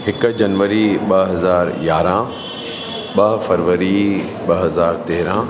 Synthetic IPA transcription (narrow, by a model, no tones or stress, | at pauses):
ɦɪkd͡ʑɐnʋəɾiɓɐɦɐzaːɾjaːɾã | ɓɐɦfɐɾʋəɾi | ɓɐɦɐzaːɾt̪eːɾã